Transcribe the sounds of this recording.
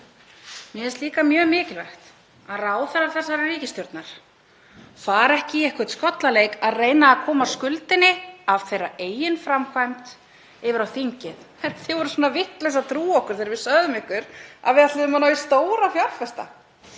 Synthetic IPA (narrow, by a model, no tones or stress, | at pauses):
mjɛɛst̪liːkamjœːɣmɪːcɪlvɛ̰xt̪ | aðraːwθɛɾaɾθɛsːaɾariːcɪst̪jɔɾt̪naɾ̥ | faɾɛhcɪɛhkɪ̥t̪skɔt̪lalejkaðreːjnaːkʰɔːmaskʏlt̪ɪnɪav̥θejrɾːaʔeːjɪnfɾamkʰvajmt̪ | ɪːvɪɾawθiɲcɪð | ɛt̪θɪvɔɾʏsɔːnavɪht̪lɛsat̪ʰɾuːɔhkʏɾ̥θeːɾvɪsœɣðʏmɪhkʏɾa̰ðvɪðat̪lɪðʏmanajɪst̪oːwɾafjal̥fɛst̪a̰